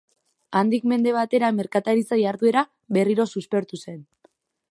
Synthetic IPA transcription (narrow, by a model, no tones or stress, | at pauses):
and̪ikme̞nd̪e̞β̞at̪e̞ɾame̞ɾkat̪aɾit͡sajaɾðue̞ɾa | βe̞riɾo̞suspe̞ɾt̪use̞n